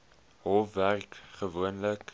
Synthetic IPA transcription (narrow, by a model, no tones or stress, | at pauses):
hɔfværkχəvuənlək